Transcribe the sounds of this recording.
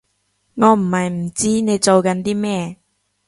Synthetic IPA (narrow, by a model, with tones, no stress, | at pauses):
ŋɔː˨˧m̩˨˩hɐ˨jm̩˨˩t͡siː˥ne˨˧jt͡so˨wkɐ˨˧˥nt̪iː˥mɛː˥